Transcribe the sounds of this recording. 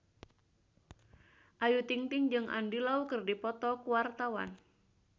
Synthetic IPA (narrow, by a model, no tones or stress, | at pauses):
ʔajut̪iŋt̪iŋd͡ʒɨŋʔa̰ndilaukɨrdipɔt̪ɔkuwart̪awa̰n